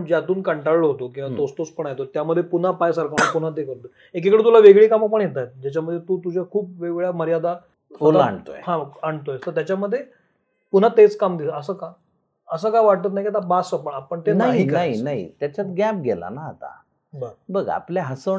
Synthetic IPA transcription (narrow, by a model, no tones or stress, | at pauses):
d͡ʑjat̪uːnkəɳʈallɦot̪okĩʋat̪ost̪ospəɳajet̪ot̪jaməd̪ʱːjepun̤apajsaɾkʰanapun̤at̪̬ekəɾt̪ə | ek̬ekəɽet̪ulaʋeɡɭiːkamap̬əɳjet̪ajt̪̚d͡ʑat͡ɕjaməd̪ʱːjet̪uːt̪ud͡ʑʱjakʰuːp̚ʋeɡɭjaməɾjad̪a | solaɳt̪o̰ɦãaɳɖt̪oest̪əɾt̪jat͡ɕaməd̪ʱːje | pun̤at̪et͡skamd̪isəəsəːka | əs̬əːkaʋaɽ̚t̪ət̪najikiat̪abasəpəɳapəɳt̪enaɦikəaɦinaɦḭt̪jat͡ɕat̪ɡap̚ɡʱɛla̰naːt̪a̰ | bəɡbəɡa̰pljaɦəsə